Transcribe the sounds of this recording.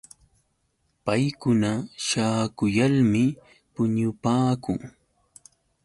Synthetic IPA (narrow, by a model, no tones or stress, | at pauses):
pajkʊnaʃaːkʊjalmɪ | pʊɲʊpaːkʊŋ